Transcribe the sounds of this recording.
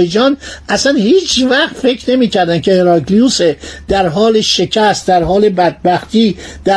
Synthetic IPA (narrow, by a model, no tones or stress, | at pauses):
ed͡ʒɒːnʔæsænhiːt͡ʃʰvæχt̪fe̞cʰɾne̞miːcʰæɾd̪ænd̪kʰeheɾɒɡliused̪̥æɾɦɒːle̞ʃe̞cʰæst̪̚d̪æɾɦɒːle̞bæd̪̚bæxt̪iːd̪̥æ